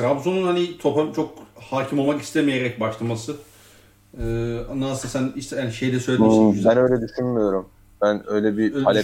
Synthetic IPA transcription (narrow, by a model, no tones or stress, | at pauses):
ɾabzonunhanit̪ʰo̞pamt͡ʃʰo̞k̚haːcʰimo̞lˠmaki̥st̪ʰemejeɾɛc̚baʃlˠamasɯ | anːaːsasæniʃt̪ɛhaniʃejd̪ʲɛsø̞jlʲbænø̞jlʲɛd̪yʃynmijo̞ɾum | bænø̞jlʲɛbipalʲɛ